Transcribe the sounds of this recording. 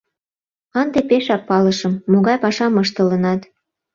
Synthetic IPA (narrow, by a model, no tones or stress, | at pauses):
ɑnd̪epeʃɑk̚pɑlɤʃɤmːoɣɑjpɑʃɑmɤʃt̪ə̆lənɑt̪